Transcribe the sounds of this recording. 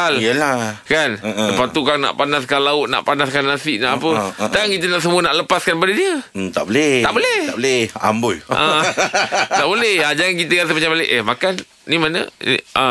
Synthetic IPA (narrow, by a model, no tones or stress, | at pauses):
ləlakansəpat̪ukaŋna̰ʔpanaskanlaʊʔna̰ʔpanaskanːasɪʔnaʔapət̪aŋkit̪ənaʔs̬əmũənaʔləpaskanp̬adadiət̪a̰ʔbolɛa̰ʔbolɛhblɛa̰mbʊja | t̪aʔbolɛhad͡ʒaŋankit̪əɣasəmat͡ʃabaleʔəmakan | nimanə̰nḭʔa̰